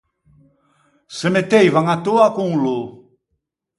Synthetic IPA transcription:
səmetejvaŋatuakuŋlu

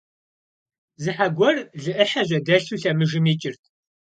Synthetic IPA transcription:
zɨħaɡʷɔrɮɨʔəħaʑʷɐdɐɬuɬɐmɨʒɨmit͡ʃʼɪrtʰ

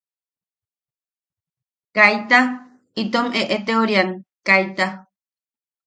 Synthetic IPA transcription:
kajt̪a | it̪omeʔet̪eoɾiaŋkajt̪a

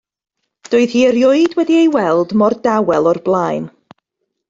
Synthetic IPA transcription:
d̥ʊɨð̥hiːəɾjʊɨdwɛdiejwɛlˠdmɔrdawɛlˠɔrblˠaːjn

